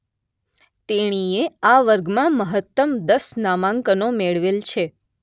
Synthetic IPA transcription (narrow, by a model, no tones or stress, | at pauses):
t̪eɽ̃ieaʋəɾɡmãməɦət̪ːəmd̪əsnamãŋkənomeɭʋelt͡ʃʰe